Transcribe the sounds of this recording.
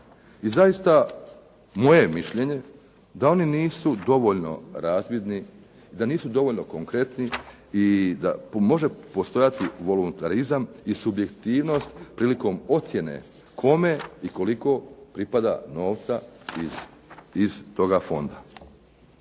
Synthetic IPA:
izajist̪a | mo̞je̞miʃʎe̞ɲe̞ | d̪ao̞niniːsud̪o̞ʋo̞ʎno̞̰ɾaːzbjid̪ni | d̪aniːsud̪o̞ʋo̞ʎno̞ko̞ŋkɾe̞t̪ni | id̪a̰mo̞ʒe̞po̞st̪o̞jat̪iʋo̞lunt̪aɾizamisubje̞kt̪iːʋno̞st̪pɾiːliko̞ːmo̞t̪sje̞ne̞̰ | kʰo̞me̞iko̞liko̞pɾipad̪a̰no̞ːʋt̪sa | iz̥t̪o̞ɡafo̞̰nd̪a

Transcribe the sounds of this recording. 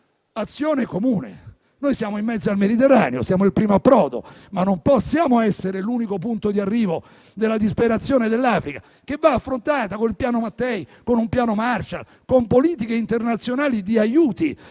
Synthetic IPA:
at̪sːjoːnekomuːnḛ | nojsjaːmoimːɛd̪zoalmed̪it̪erːaːneosjaːmoilpɾiːmoapːɾɔːd̪o̰manːompɔsːjaːmoɛsːeɾeluːnikop̬unt̪od̪iarːiːvo | d̪elːad̪ispeɾat̪sːjoːned̪elːaːfɾika | k̟evːaːfːɾont̪aːt̪akonilpjaːnomat̪ːɛjkonumpjaːnomart͡ʃa̰ | kompoliːt̪ikeint̪ernat̪sːjonaːlid̪iajuːt̪i

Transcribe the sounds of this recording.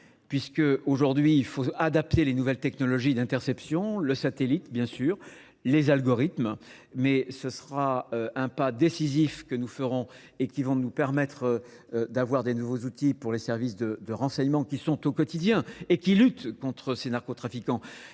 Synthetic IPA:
pɥiskəoʒuʁd̪ɥiːlfoad̪ap̚t̪elenuvɛlt̪ɛknɔlɔʒid̪ɛ̃t̪ɛʁsɛpsjɔ̃ləsat̪elit̪bjɛ̃syːʁ | lezalɡɔʁit̪m | mɛsəsəʁaøɛ̃pad̪esizifkənufəʁɔ̃ | ekʲivɔ̃nupɛʁmɛt̪χə | d̪avwaʁd̪enuvozut̪ipuʁlesɛʁvisd̪əd̪əʁɑ̃sɛɲmɑ̃kʲisɔ̃t̪okɔt̪id̪jɛ̃ekʲilyt̪kɔ̃t̪χəsenaʁkot̪χafikɑ̃

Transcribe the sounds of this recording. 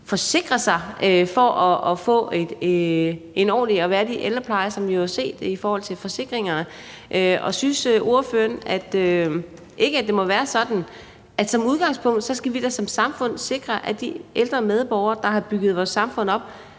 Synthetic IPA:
fɒ̽se̝ɡ̥ʁɐsɑ̈ɪøfɒ̽ʔɒ̽ɒfɔ̰̽ːe̝d̥eenɒ̰ːliɒʋæːɐd̥iʔeld̥ʁɐpʰlɑ̈ɪɐsɒ̽mʋihose̝̰ːd̥eifɒːhɒ̽l̰t͡sʰe̝lfɒ̽se̝ɡ̥ʁeŋɐnə | ʔøʔɒ̽synsøo̝ɐføːɐnæd̥ø | ʔe̝ɡ̥əæd̥e̝mɒ̽ʋæːɐsɒ̽d̥n̩ | ʔæd̥sɒ̽muð̞ˠɡ̥ɑ̈ŋ̰spʰɔ̽ŋ̰d̥sɒ̽sɡ̥æʋid̥esɒ̽msɑ̈mfɔ̽n̰se̝ɡ̥ʁɐʔæd̥iʔeld̥ʁɐmeð̞ˠb̥ɒʊ̰ɐd̥ɑ̈ɦɑ̈b̥yɡ̥ð̞̩ˠʋɒːsːɑ̈mfɔ̽n̰ɒ̽b̥̚

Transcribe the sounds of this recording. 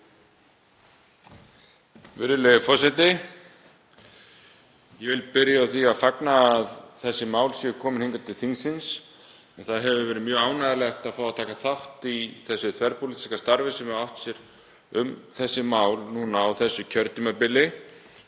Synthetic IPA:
vɪɾðɪlɛðʏfɔsɛt̪ɪ | jɛvɪlpɪɾjaawθiaðfaknaːðθɛsːɪmaːwlsjɛkʰɔːmɪnheŋkat̪ʰɪlθiŋsɪns | ɛnθaðɦɛvʏvɛːɾɪmjœːaːwnaðalɛxt̪aðfawat̪ʰaːkaθaht̪iθɛsːʏθʰvɛɾpʊlit̪i̥skast̪aɾvɪsɛmɛawht̪sjɛɾ | ʏmθɛsːɪmaːwlnuːnaːwθɛsːʏcʰœɾt̪ɪmapɪlːɪ

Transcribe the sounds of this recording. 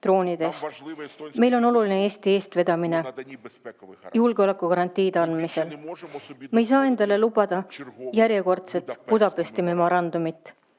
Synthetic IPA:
t̪ro̞ːnʲid̪̥e̞st̪me̞jlo̞no̞luline̞e̞ːst̪ie̞ːst̪ve̞d̪̥ɑmine̞ | julɡ̥eo̞le̞kːˑukɑɾɑnt̪ˑiːd̪ɑnmise̞l | mejs̬ɑːe̞nd̪̥ɑle̞lub̥ɑd̪̥ɑjæɾje̞ko̞rt̪se̞t̪ˑpud̪ɑpˑest̪jɑme̞mo̞ɾɑnd̪̥umit̪ːˑ

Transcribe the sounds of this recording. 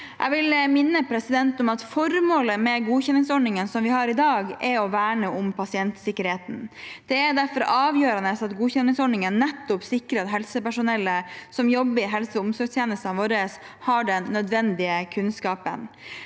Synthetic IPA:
ʔɛʋɪlmɪnːəpʰɾɛsɪd̪ɛnt̪ɔmɑt̪fɔɾmoːləmɛɡuːçɛnːɪŋsɔɳɳɪŋənsɔmʋɪhɑɾɪd̪ɑːɡɛɾɔʋæːɳəʔʊmpʰɑsɪɛnt̪sɪkːəɾheːt̪n̩d̪̥ɛɛɾɖ̪æɾfɔɾʔɑːʋjøːɾɑnəsɑt̪ɡuːçɛnːɪŋsɔɳɳɪŋənːɛt̪ːʊpsɪkːɾət̪ɦɛlsəpæʂʊnɛlːəsɔmjɔbːəɾɪɦɛlsəʊmsɔɾst̪jeːnəst̪ɑnɑʋoːɾəs | hɑɖɛnnœd̪ʋɛnd̪ɪəkʰʉnskɑːpə̰n

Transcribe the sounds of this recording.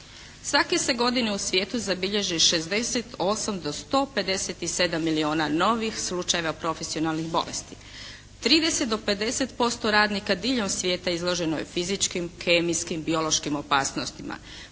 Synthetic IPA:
sʋake̞se̞ɡo̞d̪ineusʋje̞ːt̪uzabiʎe̞ʒiʃe̞zd̪e̞set̪o̞samd̪o̞st̪o̞ːpe̞d̪e̞set̪ise̞d̪amːilio̞ːnano̞ʋixslˠut͡ʃaje̞ʋapɾo̞fe̞sio̞nalˠnixbo̞̰lḛst̪i̥ | t̪ɾiːd̪e̞set̪d̪o̞pe̞d̪e̞set̪po̞st̪o̞ɾaːd̪nikad̪iːʎo̞msʋʲje̞ːt̪aizlˠo̞ʒe̞nojḛfizit͡ʃkimkeːmiskimbio̞loʃkimo̞paːsno̞st̪ima̰

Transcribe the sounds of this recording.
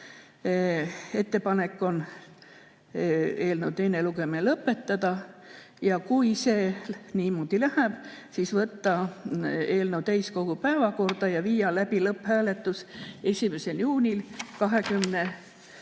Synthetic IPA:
e̞t̪ːe̞pɑne̞kːo̞n | e̞ːlnowt̪enːe̞luɡ̥e̞minelɤpːˑe̞t̪ːɑd̪̥ɑ | jɑkujse̞niːmo̞d̪̥ilæhæb̥sisvɤt̪ːɑ | e̞ːlnewt̪æjsko̞ɡ̥upæevɑko̞rd̪̥ɑjɑviːjɑlæb̥ilɤpːhæːle̞t̪ːˑuse̞sʲime̞se̞ljuːnʲilkɑɦe̞kymne

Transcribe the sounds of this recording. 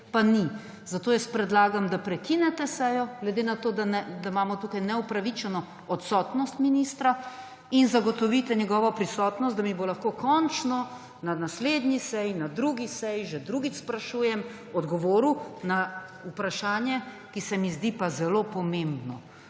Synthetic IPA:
pani | zat̪oːjɛspɾɛd̪laːɡamd̪apɾɛkinɛt̪ɛsɛjɔɡlɛd̪enat̪oːd̪anɛd̪amaːmɔt̪ukajnɛupɾaʋit͡ʃɛnɔ | ɔt̪sɔt̪nɔst̪minist̪ɾa | inzaɡɔt̪ɔʋit̪ɛɲɛɡɔːʋɔpɾisɔt̪nɔst̪d̪amibolaxkokɔnt͡ʃnɔ | nanasleːd̪nisɛjnad̪ɾuɡisɛjʒɛd̪ɾuɡit͡ʃspɾaʃuːjɛm | ɔd̪ɡɔʋoːɾuna | upɾaʃaːnjɛ | kisɛmizd̪ipazɛlopɔmẽmbnɔ

